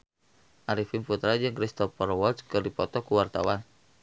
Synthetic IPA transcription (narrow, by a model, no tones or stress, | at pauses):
ʔaɾifinput̪ɾad͡ʒɨŋkɾist̪ɔfɔɾɔwɔlt̪skɨrdipɔt̪ɔkuwart̪a̰wan